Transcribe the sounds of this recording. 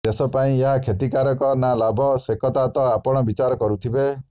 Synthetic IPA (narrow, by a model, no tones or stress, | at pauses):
t̪esɔpaĩeɦakʰet̪ikaɾɔkɔnalabʱɔsekɔt̪at̪ɔapɔɽ̃ɔbit͡ʃaɾɔkɔɾut̪ʰibe